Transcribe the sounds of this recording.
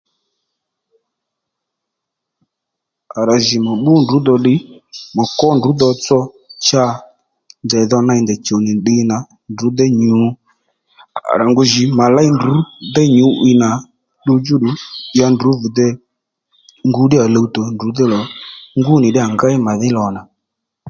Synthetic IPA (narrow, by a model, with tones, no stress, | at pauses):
a˨ɾa˨ʒi˨mɔ˨ɓʊ˦ndu˨˦d̪ɔ˧ɗɪ˦mɔ˨kɔ˦ndu˨˦d̪ɔ˧t͡sɔ˧ | t͡ʃa˧ | ndɛ˨ðɔ˧na˧i˧˨nd̪ɛ˨t͡ʃo˨nɪ˨ɗɪ˧na˨ | ndu˨˦d̪ɛ˦ɲu˨˦ | a̰˨ɾa˨ŋɡʊ˨ʒɪ˨ma˨la˦i˦ndu˨˦d̪ɛ˦ɲu˨˦ʔɪ˧na˨ | ɗu˧d͡ʒu˦ɗu˨˦ja˧ndu˨˦vu˨d̪ɛ˧ | ŋɡu˨˦ɗɪ˦a˨lə˧u˦tɔ˨ndu˨˦d̪ɛ˦lɔ˨ŋɡu˦nɪ˨ɗɪ˦a˨ŋɡa˦ɪ˦ma˨ðɪ˦lɔ˨na˨